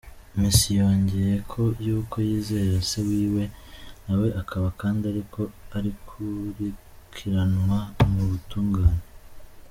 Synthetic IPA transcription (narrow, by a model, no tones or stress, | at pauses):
misijo̞ːɲɟe̞jekʰo̞juːkʰo̞jiːze̞ɾase̞wiːwe̞nawe̞ʔakʰaβakaːndiaɾikʰo̞aɾikʰuɾi | kʰiɾanwamuβutuːŋɡaːɲe